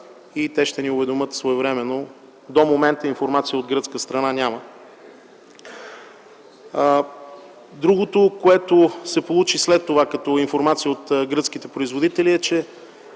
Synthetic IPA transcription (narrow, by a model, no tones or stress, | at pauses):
it̪ɛʃt̪ɛniʊvɛd̪omɤt̪svoɛvɾɛmɛno | d̪omomɛnt̪əinfoɾmat̪sijəod̪ɡɾɤt̪skəst̪ɾɐnanʲamə | d̪ɾuɡot̪okoɛt̪osɛpolˠut͡ʃislɛt̪ːovakɐt̪ɔinfoɾmat̪sijəot̪ɡɾɤt̪sk̟it̪ɛpɾoizvod̪it̪ɛliɛt͡ʃɛ